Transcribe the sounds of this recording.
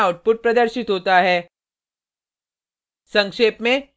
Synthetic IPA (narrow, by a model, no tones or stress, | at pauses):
aʊʈ̚pʊʈ̚pɾɐd̪əɾʃɪt̪ɦoːt̪aɦɛː | sɐ̃ŋkʃeːpmẽ